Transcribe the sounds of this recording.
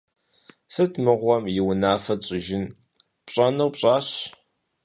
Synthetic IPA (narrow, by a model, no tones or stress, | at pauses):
sɨtʰmɨʁʷɔmjɪwʊnaːfɐɕʼɪʒɪn | pɕʼɐnɐwpɕʼaːɕ